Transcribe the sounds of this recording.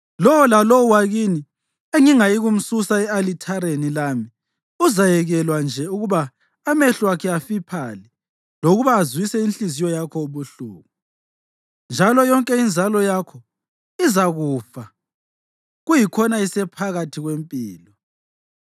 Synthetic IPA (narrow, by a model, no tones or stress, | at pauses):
lɔwɔlalɔwaɣini | eŋiŋajiɣum̩susaɛalitʰaɾenilami | uzajɛɣɛlwand͡ʒʱɛuɣuβaː | mɛɬwakʰɛafipʰali | loɣuβaːzwisɛinɬizijɔjakʰɔuβuɬṵːɣu | nd͡ʒʱalɔjɔŋkʼɛind͡zʱalɔjakʰɔ | izaɣufa | ɣujikʰɔnaisɛpʰaɣatʰiɣwempʼiːlɔ